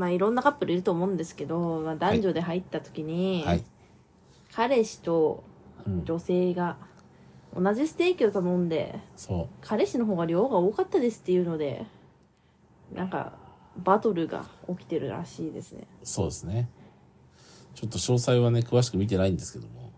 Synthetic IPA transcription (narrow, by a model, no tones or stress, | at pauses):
maːiɾõ̞nːakapːɯ̟ɾɯ̟iɾɯ̟t̪oːmo̞ːɯ̃nd̪e̞sɨ̥ke̞d̪o̞maːd̪ãɲ̟d͡ʑo̞ːd̪e̞ɦait̪ːat̪o̥kʲiɲ̟ihai | kʰaɾe̞ɕi̥t̪o̞ | d͡ʑo̞se̞ːɡa | o̰naʑisɨ̥t̪e̞ːkʲiot̪amõ̞nd̪e̞̰sokʰaɾe̞ɕino̞ɦo̞ːɡaɾʲjo̞ːɡaoːkat̪ːad̪esɨ̥t̪ːe̞jɯ̟ːno̞d̪e̞̰ | nʔã̰ŋka̰ | bat̪o̞ɾɯ̟ɡa̰o̞kʲi̥t̪e̞ɾɯ̟̰ɾa̰ɕiːd̪e̞̰sɨnḛso̞̰ːd̪esɨne | t͡ɕo̞t̪ːo̞ɕo̞ːsaiβane̞kɯ̟βaɕi̥kɯ̟mʲit̪e̞naĩnd̪e̞sɨ̥ke̞d̪o̞mo̰